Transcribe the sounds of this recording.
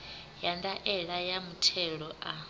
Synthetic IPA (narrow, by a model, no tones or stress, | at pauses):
jandaʔɛɺajamutʰɛɺɔʔa